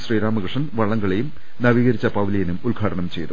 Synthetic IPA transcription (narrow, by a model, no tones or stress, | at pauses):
sriːɾaːmɐkɐʂɐnʋɐɭːɐŋɡɐɭejum | nɐʋiːɣɐɾit͡ɕːɐpɐʋlɐjɐnumulɡʱaːʈɐnɐmt͡ɕe̞jt̪u